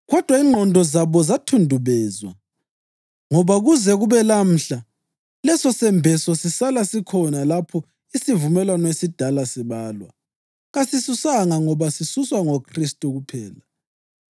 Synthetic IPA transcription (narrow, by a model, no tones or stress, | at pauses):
ɣɔd̥ʱwaiŋ͡ǃʱɔndʱɔzaβɔzatʰundʱuβɛːzwa̰ | ŋɔβaɣuzɛɣuβɛlam̩ɬa | lɛsɔsɛmbʱɛsɔsisalasikʰɔnalapʰɔ | isivumɛlwanɔesid̥ʱalasiβaːlwa̰ | ɣasisusaŋaŋɔβasisuswaŋokʰristʼuɣupʰɛːla